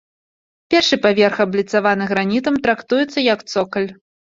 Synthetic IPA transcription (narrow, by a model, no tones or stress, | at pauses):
pʲɛrʂɨpavʲɛrxɐblʲit̪savanɨɣɾanʲit̪̬ɐmt̪ɾakt̪ujɛt̪sːɐjɐkt̪sɔkɐlʲ